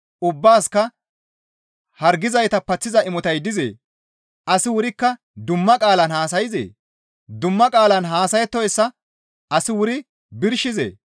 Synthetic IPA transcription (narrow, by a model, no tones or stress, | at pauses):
ʊbːaːskɐ | hɐɾɡɪzɐjt̪ɐpɐt͡sːɪzɐɪmɔt̪ɐjd̪ɪzḛː | ʔɐsɪwʊɾɪkːɐ | d̪ʊmːɐkʼaːlɐnhaːs̬ɐjɪzḛː | d̪ʊmːɐkʼaːlɐnɦaːsɐjɛt̪ːɔjɛsːɐ | ɐsɪwʊɾɪ | bɪɾʃɪzḛː